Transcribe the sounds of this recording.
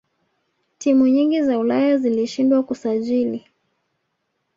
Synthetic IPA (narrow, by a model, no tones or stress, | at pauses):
timuɲiŋɡizaulajaziliʃindwakusaʄili